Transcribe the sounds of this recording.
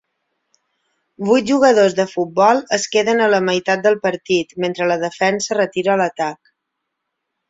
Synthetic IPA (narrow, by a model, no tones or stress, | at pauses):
bujt̪̚ʒuɣəðozðəfut̪̚bɔlˠəskeðənələməjt̪at̪̚d̪əlˠpəɾt̪it̪ment̪ɾələðəfɛnsərət̪iɾəːlət̪ak